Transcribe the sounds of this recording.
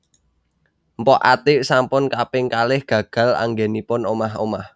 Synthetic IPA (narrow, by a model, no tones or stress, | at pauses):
mpɔʔa̰t̪ɪʔsampʊnkapɪŋkalɪhɡ̥ä̤ɡ̥ä̤la̰ŋɡenipʊnomaɦo̰mah